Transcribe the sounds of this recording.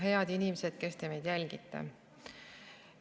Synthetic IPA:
ɦe̞ɑd̪inimese̞d̪̥ke̞st̪e̞me̞jd̪̥jælʲɡ̥it̪ːḛ

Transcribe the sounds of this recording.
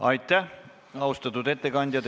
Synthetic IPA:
ɑjt̪ːˑæh | ɑust̪ɑt̪ːˑud̪et̪ːekɑnʲd̪̥ʲjɑt̪

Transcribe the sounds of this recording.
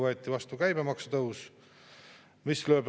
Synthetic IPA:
ɤet̪ːˑivɑst̪ukæjbemɑksut̪ɤws | misløːb

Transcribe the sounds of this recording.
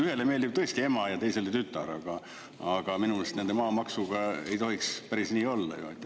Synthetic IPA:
yhe̞lemeld̪ib̚t̪ɤ̞est̪ie̞mɑjɑt̪e̞jse̞let̪yt̪ːˑɑ̰ɾɑ̰ɡ̥ɑ | ɑɡ̥ɑminumelst̪nend̪e̞mɑːmɑksuɡ̥ɑe̞̰jt̪o̞ɦikspæɾisniːolːɑ̰jo̰ɑ̰t̪ːˑe

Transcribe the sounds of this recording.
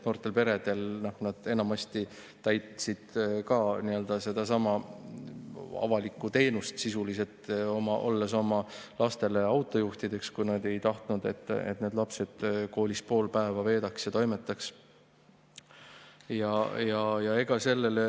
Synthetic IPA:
no̞ːrt̪ˑe̞lpe̞ɾe̞d̪̥e̞lnohnɑd̪̥e̞nɑmɑst̪i | t̪æjt̪sid̪̥kɑniø̞ld̪̥ɑse̞d̪̥ɑsɑmɑ | ɑ̰vɑlikːˑut̪e̞ːnust̪sisulise̞t̪o̞mɑʔo̞̰lːeso̞mɑlɑst̪e̞le̞ɑwt̪ˑo̞juht̪id̪e̞kskujnɑd̪e̞jt̪ɑht̪nud̪e̞t̪ːḛt̪ːˑne̞d̪lɑpse̞d̪̥ko̞ːlispo̞ːlpæevɑve̞ːd̪̥ɑksjɑt̪o̞jmet̪ːˑɑks | jɑjɑjɑe̞ɡ̥ɑse̞lːele

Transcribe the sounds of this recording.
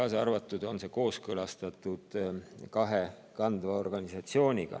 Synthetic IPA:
ɑsɑrvɑt̪ːˑud̪̥o̞nse̞ko̞ːskɤlɑst̪ɑt̪ːˑud̪̥kɑɦe | kɑnd̪vɑo̞rɡ̥ɑnisɑt̪sio̞ːnʲiɡ̥ɑ̰

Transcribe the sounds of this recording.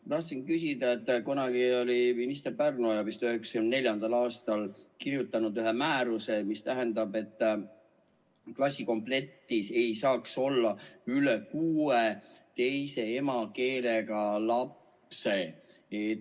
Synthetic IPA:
t̪ɑht̪sinkysid̪ɑet̪ːˑkonɑɡio̞liminist̪e̞rpærnojɑpist̪yheksɑ̥kymnnelʲjɑnd̪̥ɑlɑːst̪ɑlkirjut̪ːˑɑnud̪yɦemæːɾuse̞mist̪æɦe̞nd̪ɑbe̞t̪ːˑ | klɑsʲiko̞mple̞t̪ːise̞jsɑːkso̞lːɑylekuːet̪e̞jse̞e̞mɑke̞ːle̞ɡ̥ɑlɑp | se̞ | e

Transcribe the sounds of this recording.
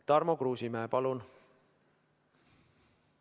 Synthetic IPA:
t̪ɑrmokruːsimæepɑlun

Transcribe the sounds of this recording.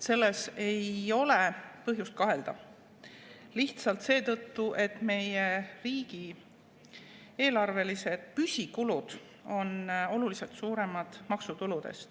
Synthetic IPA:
se̞lːe̞se̞jo̞lepɤɦjust̪̚kɑɦe̞ld̪̥ɑ | liht̪sɑlt̪se̞ːt̪ɤt̪ːuʔe̞t̪ːˑme̞jeriːɡ̥i | eːlɑrve̞lise̞d̪̥̚pysʲikulud̪̥ | o̞no̞lulise̞lt̪suːɾe̞mɑd̪̥mɑksut̪ulud̪̥e̞̰st̪

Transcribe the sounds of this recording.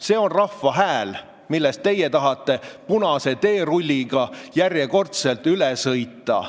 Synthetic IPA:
se̞ːo̞nrɑfːɑɦæːl | milːest̪̚t̪e̞jet̪ɑɦɑt̪ːˑe̞punɑse̞t̪e̞ːɾulʲːiɡ̥ɑjærje̞ko̞rt̪selt̪ˑylɛsɤjt̪ːˑɑ̰

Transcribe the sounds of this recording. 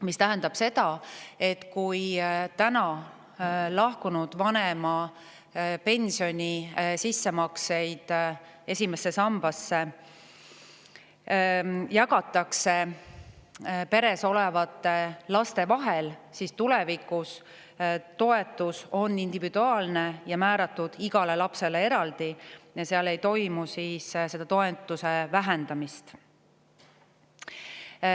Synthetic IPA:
mist̪æɦend̪̥ɑb̥se̞d̪̥ɑe̞t̪ːkujt̪ænɑ | lɑhkunud̪̥vɑnemɑ | pe̞nʲsijo̞nʲisisːe̞mɑkse̞jd̪̥ | e̞sʲime̞sːe̞sɑmb̥ɑsːe | jɑkɑt̪ːˑɑkse̞ | pe̞ɾe̞so̞levɑt̪ːˑelɑst̪e̞vɑɦelsist̪ulɛ̞vikːus | t̪o̞e̞t̪ːˑuso̞nːind̪̥ivid̪uɑːlne̞jɑmæːɾɑt̪ːˑud̪̥iɡ̥ɑle̞lɑpse̞lee̞ɾɑld̪ijɑseɑle̞jt̪o̞jmusiːsse̞d̪̥ɑt̪oet̪ːˑusevæɦend̪̥ɑmist̪

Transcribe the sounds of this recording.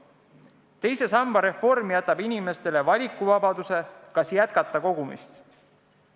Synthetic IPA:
t̪e̞jse̞sɑmbɑɾe̞fo̞rmijæt̪ːˑɑbinime̞st̪e̞le̞vɑlʲikːˑuvɑbɑd̪use̞kɑsjæt̪kɑt̪ːˑɑko̞ɡ̥umḭst̪

